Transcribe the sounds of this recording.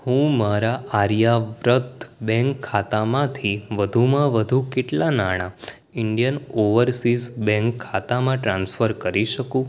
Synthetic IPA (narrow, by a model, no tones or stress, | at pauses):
hũmaɾaʔaɾjaʋɾət̪bɛ̃ŋkʰːat̪amãt̪ʰiʋəd̪ʱumãʋəd̪ʱũkeʈlanaɽ̃a | ɪɳɖijənoʋəɾsizsbɛ̃ŋkʰːat̪amãʈɾãnsfəɾkəɾiʃəkũ